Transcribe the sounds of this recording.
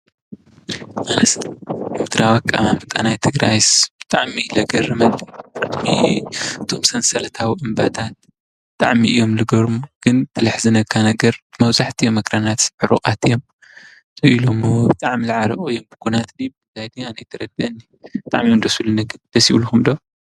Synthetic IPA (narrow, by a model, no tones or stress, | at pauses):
manɐsut̪ʰɾawakʼːaabɨt̪ʼa̰najt̪ʰɨɡɾajsb̥ɨt̪ʼaʕmilɐɡɐrɐmɐlibɾɨt̪miɨt̪ʰo̞msɐnsɐlɐt̪ʰawiʔɨmbat̪ʰat̪̚ | bɨt̪ʼa̰ʕmiʔɨjːo̞mlɨɡɐɾumɡ̥ɨnt̪ʰɨlɨħzɨnɐkʰːanɐɡɐɾmɐwzaħt̪ʰijomɐkʰɾanat̪ħɨɾukʼat̪ɨjo̞m | t̪ʰʼɨilomɨwbɨt̪ʼaʕmilaʕalɐʔʼoɨjombɨkʰunat̪dibɨzajd̪ianajt̪ʰɐɾɐɡɐɨnːi | bɨt̪ʼa̰ʕmiɨnd̪ɐsulɨnɐɡɨd̪̥ɐsiluxumd̪o